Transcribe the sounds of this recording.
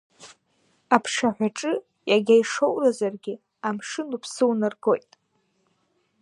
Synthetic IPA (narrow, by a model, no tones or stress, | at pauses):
apʰʂaħᶣʷaʈ͡ʂʼɨ | jaɡʲajʂo̞wrazarɡʲɪ | amʂɨnupʰsɨwnɨrɡo̞jtʼ